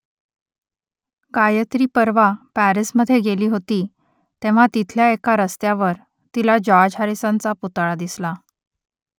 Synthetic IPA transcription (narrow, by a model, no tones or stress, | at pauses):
kajət̪ɾiːpəɾʋapæɾisməd̪ʱːjeɡeliːɦot̪iː | t̪ẽʋ̤at̪it̪ʰljaekaɾəst̪jaʋəɾ | t̪ilad͡ʑɔad͡ʑaɾisant͡saput̪aɭad̪isla